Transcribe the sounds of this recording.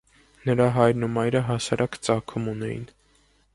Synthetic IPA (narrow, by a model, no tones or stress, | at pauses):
nəɾɑɦɑjɾnumɑjɾəɦɑsɑɾʔɑkt͡sɑkʰumunɛ̰jḭn